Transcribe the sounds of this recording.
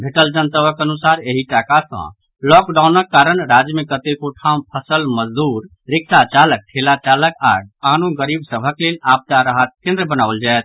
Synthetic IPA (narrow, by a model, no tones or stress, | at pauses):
bʱeʈəld͡ʒənt̪əbəkənusaɾeɦiʈakasə̰̃ | lɔkɖaunəkːaɾənɾad͡ʒmekət̪ekoʈʰãũpʰəsəlməd͡ʒd̪uɾ | ɾɪksat͡ʃalək̚ʈʰelat͡ʃaləkaɡ̚anuɡəɾibsəbʱəklelap̚t̪aɾəɦət̪̚kẽnd̪ɾəbənaəld͡ʒaet̪̚